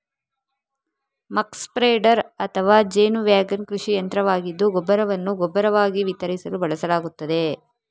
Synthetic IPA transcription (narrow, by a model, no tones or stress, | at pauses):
mɐkspɾeːɖɐɾɐt̪ʰɐʋaːd͡ʒeːnuʋjaːɡɐnkɾuʂijɐnt̪ɾɐʋaːɡid̪ːuɡɔbːɐɾɐʋɐnːuɡɔbːɐɾɐʋaːɡiʋit̪ɐɾisɐlubɐɭɐsɐlaːɡut̪ːɐd̪e̞